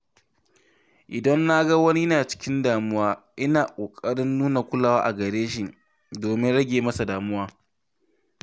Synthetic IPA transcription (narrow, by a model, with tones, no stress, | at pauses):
ʔɪ˨dɐ˦nːa˦ɡa˦wɐ˦ni˦jnaː˨t͡ʃɪ̥˦kʲɪ˦ndaː˨mʊ˦waː˦ʔɪ˦naː˨kʷʼoː˨kʼɐ˦ɽɪ˦nːuː˦na˨kʷʊ˦laː˨waː˦ʔa˨ɡɐ˨ɽeː˦ʃɪ˨n | doː˨mɪ˦nɽɐ˦ɡʲeː˨mɐ˦sa˨daː˨mʊ˦waː˦